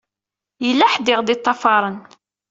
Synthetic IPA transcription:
jəlːæħd̪ɪʁd̪it̪ˤːɑfɑɾˤən

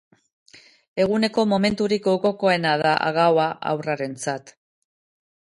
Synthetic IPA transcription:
e̞ɣ̞une̞ko̞mo̞me̞nt̪uɾikoko̞ko̞e̞naðaʔa̰ɣawaʔa̰wraɾe̞nt͡sat̪

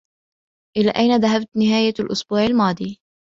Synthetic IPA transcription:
ʔɪlaːʔajnaðaɦabt̪nɪɦaːjalʔʊsbuːʕalmɑːd̪ˤiː

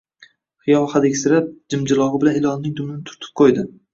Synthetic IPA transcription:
χɨjɒlˠhad̪ekʲsɪɾap̚d͡ʒɪmd͡ʒɪlˠɒʁɪbɪlanɪlˠɒnnɪŋd̪ʊmɪnɪt̪ʰʊ̥ɾt̪ʰɪ̥p̚qʰojd̪ɪ

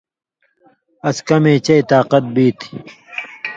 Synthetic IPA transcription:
ɐskɐmeːt͡ɕɐit̪aːqɐt̪̚biːt̪ʰi̥

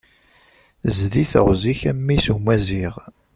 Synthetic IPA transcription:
zðiθə̰ʁziçæmːisumæziʁ

